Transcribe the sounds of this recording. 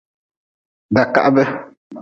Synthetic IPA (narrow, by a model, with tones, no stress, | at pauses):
da˨ka̰˦ʔbɛ˦